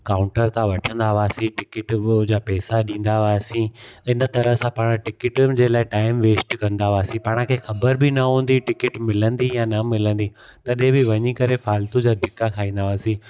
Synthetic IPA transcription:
kaːʊ̃ɳʈəɾt̪ʰãʋɐʈʰə̃nd̪aʋaːsĩʈɪkɪʈd͡ʑaːpɛːsaɗĩːn̆d̪aʋaːsĩɪnə̆t̪ɐɾəɦsãpaːɽ̃ʈɪkɪʈd͡ʑeːlaːɪʈaːɪmʋeːsʈkɐ̃nd̪aʋaːsĩpaːɽ̃ə̃kʰeːxɐbəɾbɪnɐɦũːn̆d̪iʈɪkɪʈmɪlə̃nd̪ijãːnɐmɪlə̃nd̪i | t̪ɐɗẽbɪʋɐɲikɐɾefaːlt̪ud͡ʑaːd̪ʱɪkːakʰaːĩːn̆d̪aʋaːsĩ

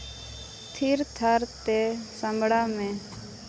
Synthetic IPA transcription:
t̪ʰiːɾt̪ʰaɾt̪eːsəmbʱɽaːmẽː

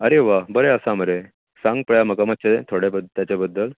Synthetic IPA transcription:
əɾeʋaɦbəɾeəsaməɾe | sãŋɡ̚pəɭjaməkamət͡ɕʰeet̪ʰoɽebəd̪t̪jat͡ɕebəd̪ːəl

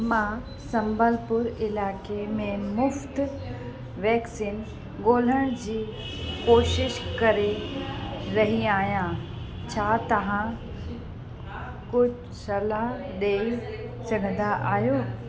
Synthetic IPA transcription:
mã | sɐ̃mbəlpʊɾɪlaːkemẽmʊft̪ | ʋɛːksiːn | ɠoːl̤əɽ̃d͡ʑiː | koːʃɪʃkɐɾe | ɾɐɦiaːɦjã | t͡ɕʰaːt̪ɐʋ̤ã | kʊd͡ʑ | sɐlaɦɗeːi | sɐɡʱə̃nd̪aʔaːɦjoː

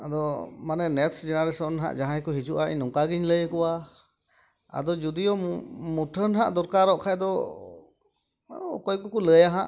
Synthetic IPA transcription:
ad̪ɔmanɛnɛt̪sd͡ʒɛnaɾɛsɔnɦa̰ʔd͡ʒaɦãɛkɔɦit͡ʃuʔaʔḭɲnɔŋkaɡiɲləjəkɔwa | a̰d̪ɔd͡ʒud̪ijɔmuʈʰənɦaʔd̪ɔɾkaɾɔʔkʰajd̪ɔ | a̰d̪ɔkɔjkɔkɔləjaɦaʔ

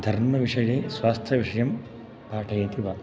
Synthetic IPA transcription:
d̪ʱɐɾmɐʋiʂɐjeːsʋaːst̪ʰjɐʋiʂɐjɐm | paːʈʰɐjeːt̪iʋa

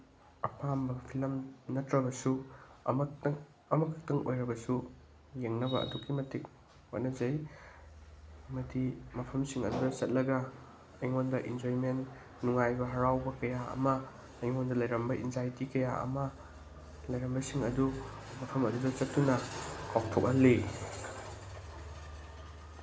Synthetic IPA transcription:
ɐpambɐpʰilɐmnɐtɾɐbɐsuɐmɐŋ | ɐmɐkʰɐk̚tɐŋʔo̰jɾɐbɐsu | jeŋnɐbɐɐ̰dukːimɐtik̚ | o̰nɐzɐj | mɐdimɐpʰɐmsiŋɐ̰dudɐt͡ʃɐt̚lɐɡɐ | ɐjŋondɐʔind͡ʒoɾimenː | uŋajbɐɦɐɾawbɐkɐjaɐ̰mɐː | jŋondɐlɐjɾɐmbɐʔinzajtikɐja̰ɐ̰mɐ | lɐjɾɐmbɐsiŋɐdumɐpʰɐmɐdudɐt͡ʃɐtːunɐkʰawtʰok̚ɐli

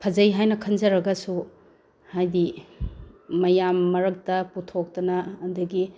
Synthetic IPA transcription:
pʰɐzɐjɦajnɐkʰɐnzɐɾɐɡɐsu | hajdi | mɐjamːɐɾɐk̚tɐputʰok̚tɐnɐːndɐɡi

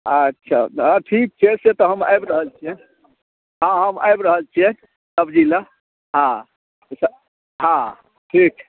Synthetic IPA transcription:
ətːʃʰa̰ãʈʰik̚t͡ʃʰeset̪ɔɦəma̰jbɾəɦəlt͡ʃʰie | ɦãɦəma̰jbɾəɦəlt͡ʃʰiɛ | səbd͡ʒila | ɦã | sə | ɦã | ʈʰik

